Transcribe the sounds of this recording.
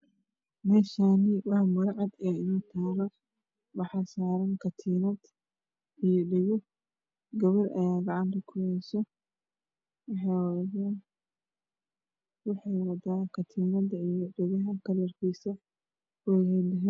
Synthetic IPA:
mɛːʃaːnɪwɑħmɐɾʕɑd̪ɛɪnɔːt̪ʰaːɾɔ | wɑħɑsaːɾɐnkʰɐt̪ʰiːnɐd̪ | ʔijɔɖɪɣɔ | ɡɐβɐrʔɐ̰jaːɡɑʕɑnt̪ʰɐkʰʊjɛjsɔ | wɑħɑjwðaːn | wɑħɑjwɐd̪aːkʰɐt̪ʰiːnɐd̪ɐijɔɖɪɣɐɦɐkʰɐlɐrkʰiːsɐ | ɔjhɛlɐɦɛːn

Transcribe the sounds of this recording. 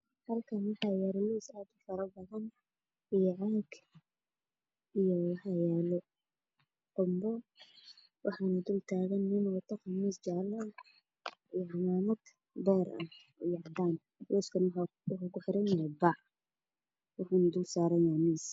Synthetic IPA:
hɐlkʰɐnwɑħɑjaɾluːsaːd̪ʊfɐɾɐbɐðɐn | ijɔʕaːɡ | ijɔwħɑjaːlɔ | qʊmbɔ | wʔɑ̰ħɑnɐd̪ʊlt̪ʰaːɣɐnːɪnɔːt̪ʰɐqmiːsd͡ʒaʕla | ijʕɑmaːmɐd̪ | b̪ɛːɾɐ̰ | ʊjɑʕd̪aːn | luskʰɐn | ʊkʊkʊħɪɾɛnɛjɛbaʕ | wɑħaːnɐd̪ʊlsaːɾɐjaːmiːs

